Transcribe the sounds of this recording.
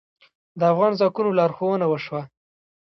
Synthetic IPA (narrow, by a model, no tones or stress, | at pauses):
d̪əafɣɑnzɑkunolɑɾxowənawəʃwa